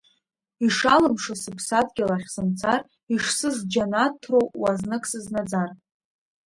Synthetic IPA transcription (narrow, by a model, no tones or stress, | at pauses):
iʂalɨmʂasɨpʰsadɡʲalaχʲsɨmt͡sʰar | iʂsɨzd͡ʒanatʰːrowwaznɨkʼsɨznad͡zar